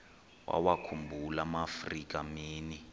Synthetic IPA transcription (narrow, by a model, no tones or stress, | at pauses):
wa̰wakʰumbʱulamafrikamiːni